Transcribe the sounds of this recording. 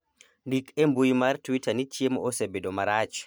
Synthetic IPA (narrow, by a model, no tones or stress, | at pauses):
dikʰɛmbujmaɾtuwitanit͡ʃiemɔɔsebɛɗɔmaɾat͡ʃ